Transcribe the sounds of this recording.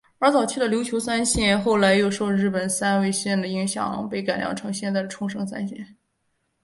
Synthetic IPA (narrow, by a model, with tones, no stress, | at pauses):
ə˞˧˥t͡sɑ˨˩ʊt͡ɕʰy˥˩d̪ə˩ljo˧˥ʊt͡ɕʰjo˧˥ʊsa˥nɕjɛ˥˧nxo˥˩ʊla˧˥ɪjo˥˧ʊʂwɔ˥ɻɻ̩˥˩pə˨˩nsa˥nwe˥˧ɪɕjɛ˥˩nd̪ə˩i˧˥ŋɕjɑ̰˨˩ŋpe˥˩ɪka˨˩ljɑ̰˧˥ʈ͡ʂʰɤ˧˥ŋɕjɛ˥˧nt͡sa˥˩d̪ə˩ʈ͡ʂʰʊ˥ŋʂɤ˥ŋsa̰˥nɕjɛ̰˥˩n